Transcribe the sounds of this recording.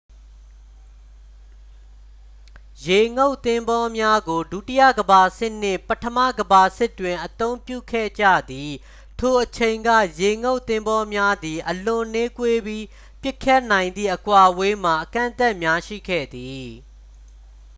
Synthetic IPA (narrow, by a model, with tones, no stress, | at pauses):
je˨ŋo˦ʊʔt̪ɪ̃˦mbɔ˦mja˦ɡo˨du˦˨ti˦jä̰˦˨ɡəba˨sɪ˦ʔn̥ɪ̰̃˦˨pətʰəmä̰˦˨ɡəba˨sɪ˦˨tːwɪ̃˨ʔət̪õ˦ʊ̃mpjṵ˦˨kʰɛ̰˦˨d͡ʑä̰˦˨d̪i˨ | tʰo˨ʔət͡ɕʰẽ˨ɪ̃ŋɡä̰˦˨je˨ŋo˦ʊʔt̪ɪ̃˦mbɔ˦mja˦d̪i˨ʔəlʊ̃˨ne˦kwe˦bji˦ | pjɪ˦kʰːjɛ˦˨ʔnã˨ɪ̃nd̪ðḭ˦˨ʔəkwa˨we˦m̥a˨ʔəkã̰˦˨nt̪ɛ˦ʔmja˦ʃḭ˦˨ɡɛ̰˦˨d̪i˨